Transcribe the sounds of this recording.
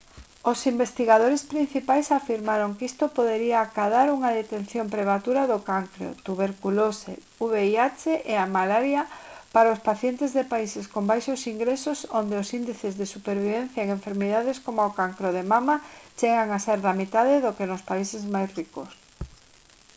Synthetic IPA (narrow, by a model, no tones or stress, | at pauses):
osimbest̪iɣaðoɾespɾin̟θipajsafiɾmaɾoŋkist̪opoðeɾiaːkaðaɾuŋaðet̪ẽnθjompɾemat̪uɾaðokaŋkɾo̰t̪uβeɾkulosḛ | uβeiat͡ʃeʔeamalaɾjapaɾaʊspaθjent̪ezðepaiseskombajʃosiŋɡɾesosond̪eosind̪iθezðesupeɾβiβ̞ẽn̟θjaeŋeɱfeɾmiðaðeskomookaŋkɾoðemamat͡ʃeɣaŋaseɾðamit̪aðeðokenospaisezmajsrikos